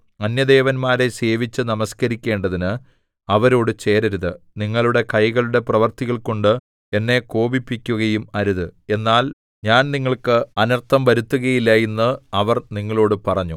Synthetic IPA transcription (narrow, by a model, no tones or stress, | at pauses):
ɐnjɐd̪e̞ːʋɐnmaːɾe̞se̞ːʋit͡ɕːɨnɐmɐskɐɾikʲːe̞ːɳɖɐðinɨ | ɐʋɐɾo̞ːɽɨt͡ɕe̞ːɾɐɾuðɨ | niŋːɐɭuɽe̞kɐjɣɐɭuɽe̞prɐʋɐrt̪iɣɐɭko̞ɳɖɨ | e̞nːe̞ko̞ːbipːikʲːuɣɐjumɐɾuðɨe̞nːaːl | ɲaːnniŋːɐɭkɨɐnɐrt̪ʰɐmʋɐɾut̪ːuɣɐjilːɐjenːɨɐʋɐrniŋːɐɭo̞ːɽɨpɐrɐɲːu